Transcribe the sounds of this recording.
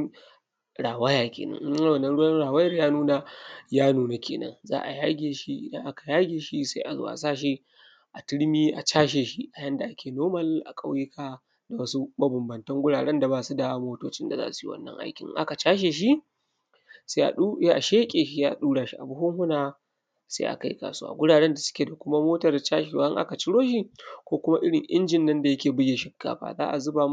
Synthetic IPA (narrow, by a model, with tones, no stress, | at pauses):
ɽaː˨wa˦jaː˨kʲḛː˨nɐ̰˦ŋʔa˦wɐ˨nɐ˦nɽʊ˦wɐ˦nɽaː˨wɐ˦jɐ˦˨rjaː˦nuː˦na˨jaː˦nuː˦na˨kʲʰḛː˨nɐ̰˦nza̰ː˦ʔa˨jaː˦ɡʲeː˨ʃi˦ʔɪ̰˦˨dɐ̰˦ŋʔa˦ka˨jaː˦ɡʲeː˨ʃi˦sa̰˦ʔa˨zo̰ː˦˨ʔa̰˨saː˦˨ʃ̬i˦ | ʔa˨tɪ˦ɽmiː˦ʔa˨t͡ʃaː˦ʃeː˨ʃi˦ʔa˨jɐ˦nda˨ʔa˦kʲeː˨noː˦mɐ˦lʔa̰˨kʼa˦wjɪ˦kʰaː˦ | da˨wɐ˦su˦bɐ˦bɐ˨mbɐ˨ntɐ˦ŋɡʷʊ˦ɽaː˨ɽɛ˦nda˨baː˦˨su˦da˨moː˦toː˦t͡ʃɪ˦nda˨a̰ː˦ʔa˨su˨ji˦wɐ̰˦nːɐ̰˦ŋʔa̰˦jkʲɪ̰˨ŋʔʔa̰˦ka˨t͡ʃaː˦ʃ̬eː˨ʃ̬i˦ | sa˦ʔa̰˨ɗu˦ʔa˨ʃeː˦kʲʼeː˨ʃi˦jaː˦˨ɗuː˦ɽa˨ʃi˦ʔa˨bʊ˦hʊ˦ŋhʊ˦naː˨ | sḛ˦ʔa̰˨ka˦jka̰ː˨su˦wa̰ː˨ɡʷʊ˦ɽaː˨ɽɛ˦nda˨sʊ̥˦kʲeː˨da˨kʷʊ˦ma˦moː˦tɐ˨rt͡ʃaː˦ʃe˨wa̰˦ʔɪ˦ŋʔa̰˦ka˨t͡ʃɪ˦ɽoː˦ʃ̬i˦kʷoː˦kʷʊ˦ma˦ʔɪ˦ɽɪ˨ŋʔɪ̰˦nd͡ʒɪ˨nːɐ˦nda˨jɐ˦kʲeː˨bʊ˦ja˨ʃɪ˦kːa̰ː˦˨ɸa̰ː˨za̰ː˦ʔa˨zʊ˦ba˨